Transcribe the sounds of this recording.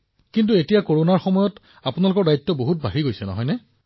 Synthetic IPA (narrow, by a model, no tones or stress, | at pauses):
kint̬uetijakoɹonaɹxɔmɔjɔt | apunalʊkɔɹdajtːɔboɦut̚bʱaɦiɡojsɛnɔ̰ɦɔjnɛ